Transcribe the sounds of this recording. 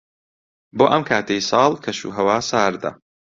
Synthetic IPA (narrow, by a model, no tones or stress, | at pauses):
boːʔɐmkʰaːt̪ʰejsɑːlˠkʰɐʃṵːɦɐwaːsaːɾd̪ɐ̰